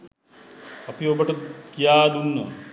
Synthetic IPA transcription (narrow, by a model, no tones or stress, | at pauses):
ɐpijoːbɐʈɐkijaːd̪unːɐ̰